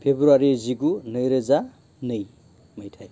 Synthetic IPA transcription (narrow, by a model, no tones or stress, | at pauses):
pʰebɾuaɾid͡zikunʌjɾəd͡za | nʌj | mʌjtʰaj